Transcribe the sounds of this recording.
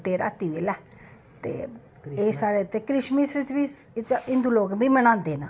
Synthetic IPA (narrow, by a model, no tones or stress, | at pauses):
t̪eːɾa̰ːt̪iːʋelɛ | t̪ḛː | eːsaːɾeːt̪eːkɾɪʃmisət͡ʃbi | t͡ʃɪ̃nd̪uːloːkbiːməñãːnd̪eːnaː